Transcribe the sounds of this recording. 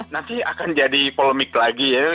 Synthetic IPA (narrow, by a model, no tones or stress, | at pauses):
nant̪ia̰kand͡ʒadipoləmɪklaɡija